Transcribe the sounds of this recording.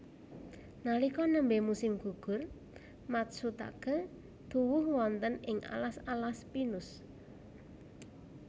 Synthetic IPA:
nalikɔnəmbemusɪmɡ̥uɡ̥ʊ̤r | mat̪̚sut̪a̰ɡ̥ə̤ | d̪̥uwʊhwɔnt̪ənɪŋʔa̰lasalaspinʊs

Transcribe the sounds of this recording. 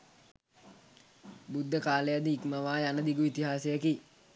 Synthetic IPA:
bud̪ʱːəkaːlejad̪iikmaʋaːjanəd̪iɡuit̪iɦaːsejəki

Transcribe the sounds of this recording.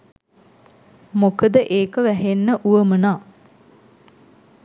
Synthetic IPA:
mokəd̪əʔeːkəʋæɦenːəʔuʋəmənaː

